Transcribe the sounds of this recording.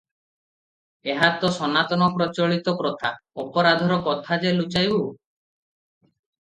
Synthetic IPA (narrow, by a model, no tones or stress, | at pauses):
eɦat̪ɔsɔnat̪ɔnɔpɾɔt͡ʃɔɭit̪ɔkɾɔt̪ʰaɔpɔɾad̪ʱɔɾɔkɔt̪ʰad͡ʒelut͡ʃajbu